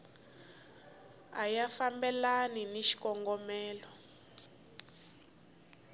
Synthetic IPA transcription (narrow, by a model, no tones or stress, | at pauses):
ajafambɛlaniniʃi̥kɔŋɡɔmɛːlɔ